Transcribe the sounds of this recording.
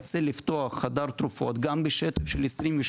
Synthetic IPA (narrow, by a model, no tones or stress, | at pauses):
t͡seliftt̪oaχːad̪aɾt̪ɾufo̞̰t̪ɡambeʃet̪ɐfʃelesɾimveʃ